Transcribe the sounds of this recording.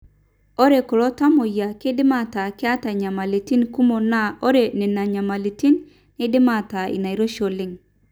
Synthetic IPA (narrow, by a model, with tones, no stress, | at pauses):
o˦ɾe˨ko˨lo˦ta˦mo˨ja˨ki˦dɪ˦ma˦˨ta˨kɪ˦a˦ta˨ɲa˨ma˨li˨ti˦nku˦mo˨na˦o˦ɾe˨ne˨na˨ɲa˨ma˨li˨ti˦nː | ɪ˦dɪ˦ma˨ta˨ḭ˨na˨i˨ɾo˦ʃo˨lɪ˦ŋ